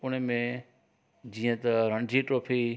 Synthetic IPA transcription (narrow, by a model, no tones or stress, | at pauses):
ʊɽ̃emẽ | d͡ʑĩːə̃t̪ɐɾɐ̃ɳd͡ʑiʈɾoːpʰi